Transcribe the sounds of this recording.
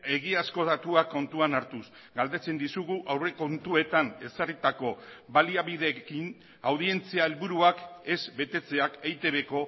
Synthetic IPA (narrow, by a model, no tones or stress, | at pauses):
e̞ɣiasko̞ð̞at̪uakːo̞nt̪uanaɾt̪us | ɡald̪e̞t͡se̞nd̪isuɣuʔawre̞ko̞nt̪ue̞t̪ane̞sarit̪ako̞βaliaβiðe̞kin | awðie̞nt͡siaelβuɾuake̞zbe̞t̪e̞t͡se̞akejt̪e̞βe̞ko̞